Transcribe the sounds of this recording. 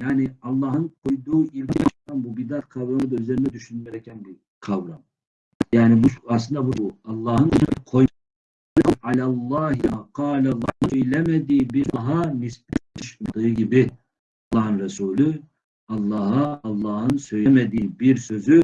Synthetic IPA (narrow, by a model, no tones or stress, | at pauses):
jaːniɑlˠːɑːɦɯnkʰojd̪uːilʲt̪it̪anbubid̪at̪kʰɑvɾamɯd̪aøzeɾinɛd̪yʃynmɛɾɛcʲʰɛnbi | kʰɑvɾam | jaːnibuɑslɯnd̪abuɑlˠːɑːhɯnqʰoj | ɯalalˠˤːɑːɦqʰɑːlalˠːɑːnsøjlɛmɛd̪iːbiɾɦanisp̪̚yʃyd̪ɯɯɟibi | lˠːɑːɦɯnɾɛsuːly | ɑlˠːɑːɦaːlˠːɑːhɯnsø̞jlɛmɛd̪iːbiɾsø̞zy